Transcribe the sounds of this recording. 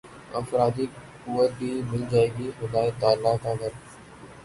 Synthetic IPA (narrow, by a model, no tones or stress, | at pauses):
əfɾaːd̪iːkʊːʋət̪̚bʱiːmɪld͡ʒaːeːɡiːxʊd̪aːet̪aːlːaːkãːɡəɾ